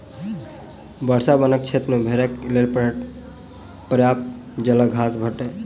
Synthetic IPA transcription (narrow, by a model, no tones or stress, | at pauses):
bəɽsabənək̚t͡ʃʰet̪ɾmebʱeɾeklelp | pɾjapd͡ʒələɡʱasbʱəʈe